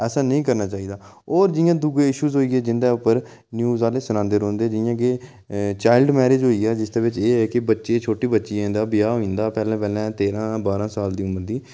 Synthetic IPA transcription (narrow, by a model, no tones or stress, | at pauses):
ɛːsaːnəĩːkəɾnaːt͡ʃaːiːd̪aː | oːɾd͡ʒɪjãːd̪uɡeːɪʃuːzɦoːiːeːd͡ʒɪnd̪eːʊpːəɾ | njuːzaːleːsənãːnd̪eɾõːnd̪eːd͡ʒɪjãːke | t͡ʃaːɪlɖmɛːɾeːd͡ʒɦoːiːaːd͡ʒɪsd̪eːʋɪt͡ʃeːɛːkɪbətːʃeːt͡ʃʰoːʈiːbətːʃiːɛ̃ːnd̪aːbɪjaːɦoĩːnd̪aːpɛːlɛ̃ːpɛːlɛ̃ːt̪eːɾãːbaːɾãːsaːld̪iːʊməɾd̪iː